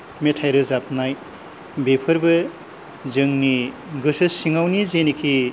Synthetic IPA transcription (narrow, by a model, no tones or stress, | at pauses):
metʰajɾɯzap̚ʰnaj | bepʰɯɾbɐ | zɯŋni | ɡɯsɯsiŋawnizenikʰi